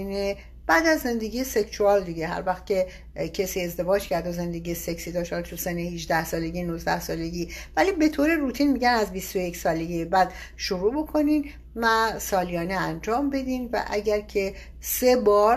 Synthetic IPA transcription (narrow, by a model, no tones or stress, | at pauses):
ne | b̥æːd̪æzːe̞nd̪e̞ɡʲijese̞ksuɒld̪iɡe̞ɦæ̰ɾvæxt̪̚cʲe̞ | cʰesiːe̞zd̪e̞vɒːd͡ʒcʰæɾd̪oze̞nd̪e̞ɡijeseksid̪ɒʃtɒlt̪ʰusenehiʒd̪æhsɒːle̞ɟinuzd̪æhsɒːle̞ɟiːvælibe̞t̪ʰoːɾe̞ɾuːt̪ʰiːnmiɟænæzbist̪ojecʰsɒːle̞ɟijebæːd̪̥ | ʃoɾuːbo̞kʰo̞nin | mæsɒːlijɒːneænd͡ʒɒːmbe̞d̪iːnvæ̰ʔæɟæɾcʰe̞ | se̞bɒːɾ